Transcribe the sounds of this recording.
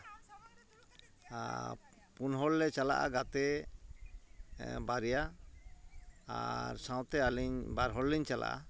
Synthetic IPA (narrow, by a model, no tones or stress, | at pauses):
punɦɔlːɛt͡ʃala̰ʔa̰ɡat̪ɛ | baɾija | a̰ɾsãw̃t̪ɛaliɲbaɾɦɔlliɲt͡ʃala̰ʔa̰